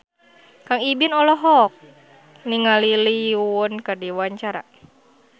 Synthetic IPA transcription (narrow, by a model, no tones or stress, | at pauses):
kaŋibinɔlɔɦɔk̚ | niŋaliliunkadiwaɲt͡ʃaɾa̰